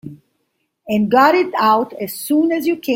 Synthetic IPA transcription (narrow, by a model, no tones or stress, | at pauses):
ɨ̃nɡɑɾɪɾaʊtɨz̥sũːnæzjɨkʰẽ